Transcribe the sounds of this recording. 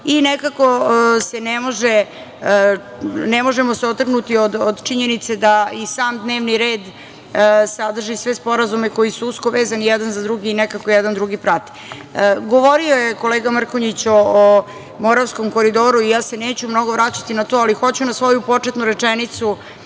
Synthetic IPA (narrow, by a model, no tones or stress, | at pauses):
inekakosenemo̞ʒe | nemo̞ʒemoseot̪r̩ɡnut̪iod̪od̪t͡ʃiɲe̞nit̪se̞d̪aisaːmd̪neːʋniɾeːd̪ | sad̪r̩ʒisʋe̞spo̞ɾazume̞ko̞jisuusko̞ʋeːzanijɛd̪anzad̪ɾuɡiːnɛkakojɛd̪and̪ɾuɡipɾat̪i̥ | ɡoʋo̞ɾiojeko̞leːɡamr̩koɲit͡ɕoː | mo̞ɾaʋsko̞mko̞ɾid̪o̞ːɾuijaːse̞neːt͡ɕumno̞ɡo̞ʋɾat͡ɕḁt̪inat̪o̞ːalixo̞t͡ɕunasʋo̞jupo̞t͡ʂet̪nuɾet͡ʂenit̪su